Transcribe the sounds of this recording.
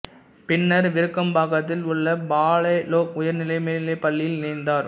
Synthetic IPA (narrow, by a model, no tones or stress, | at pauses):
pɪnːɐɾʋɪɾɯkːɐmbaːɣɐt̪ːɪlʊɭːɐbaːɭɐɪloːk̚ʊjɐɾnɪlɐɪmeːnɪlɐɪpːɐɭːɪjɪlnɪɪnd̪aːɾ